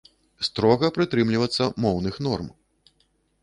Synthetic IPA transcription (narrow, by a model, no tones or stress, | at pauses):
st̪ɾɔɣɐpɾɨt̪ɾɨmlʲivɐt̪sːɐmɔwnɨxn̪ɔrm